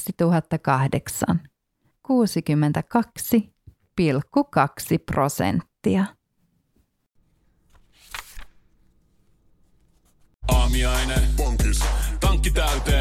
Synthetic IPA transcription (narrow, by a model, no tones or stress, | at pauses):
sit̪uɦɑt̪ːɑkɑhdeksɑ̰n | kuːsik̟ymːent̪ækɑksi | pilkːukɑksipro̞̰sḛnt̪ːiɑ | ɑːmiɑjnæpoŋkyst̪ɑŋkːit̪æyt̪eː